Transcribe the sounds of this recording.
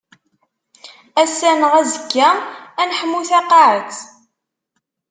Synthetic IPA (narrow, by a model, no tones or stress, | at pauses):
æsːænəʁæzəkːæænħəmːuθæqːaʕəθ